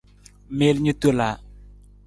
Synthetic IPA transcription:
mɪ˦lɲu˦t̪u˦la˨

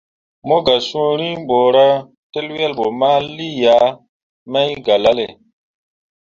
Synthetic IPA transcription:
mo˦ɡa˨sũ˦ɾi˦m˦bo˨ɾa˦ | te˦lwi˦a˦lɓo˨ma˦li˦ja˨˦ | ma˦jɡa˨la˦le˨

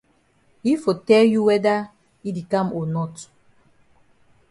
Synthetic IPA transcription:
i˦fo˨tɛ˦lju˦wɛ˦da˦ | i˦di˨kã˦mɔ˨nɔ˦t

